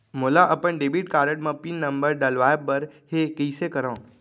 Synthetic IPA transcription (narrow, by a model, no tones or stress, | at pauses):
moːlaʔəpəɳɖebiʈkaːɾəʈmãpinːəmbəɾɖəlʋabbəɾɦekiisekəɾõː